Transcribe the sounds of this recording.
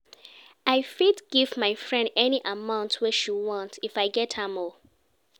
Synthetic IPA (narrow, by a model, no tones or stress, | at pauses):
aɪfidɡ̥ivmaɪfɹɛ̃ndɛniʔamãʊ̃ntʰwɛʃiwɔ̃ntʰifaɪɡɛthəmɔ